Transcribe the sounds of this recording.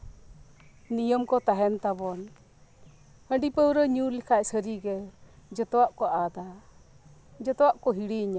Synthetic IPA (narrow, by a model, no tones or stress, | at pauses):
nijəmkɔt̪aɦɛnt̪abɔn | həɳɖipəwɾəɲulikʰaʔsəɾiɡɛd͡ʒɔt̪ɔwaʔkɔʔad̪a | d͡ʒɔt̪ɔwaʔkɔɦiɽiɲa